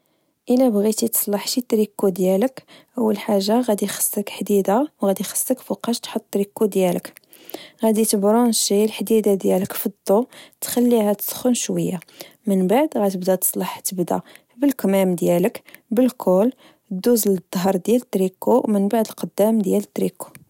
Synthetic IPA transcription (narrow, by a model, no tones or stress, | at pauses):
ʔəlæbɣit̪it̪ə̥sˤlɑħʃit̪ɾikːud̪jæləkʔəwːəlħaʒːaɣæd̪ixə̥sːəkħd̪id̪awɣæd̪ixə̥sːəkfuqɑʃt̪ħot̪ˤːɾikːud̪jælək | ɣæd̪it̪əbɾunʃilħd̪id̪ad̪jæləkfid̪ˤːot̪xælːihæt̪ə̥sˤxənʃwəjːamənbaʕd̪ɣæt̪əbd̪æt̪ə̥sˤlɑħt̪əbd̪æ̰ | bəlkmæmd̪jæləkbəlkʰʊl | d̪ːuzld̪ˤːɦɑɾˤd̪jælət̪ɾikuwmənbaʕd̪əlqəd̪ːæmd̪jælət̪ːɾiku̥